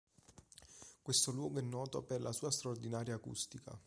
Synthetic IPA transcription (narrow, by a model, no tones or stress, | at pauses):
kwest̪olwɔːɡoɛnːɔːt̪operlʔasuːast̪ɾaord̪inaːɾjaːkṵst̪ika̰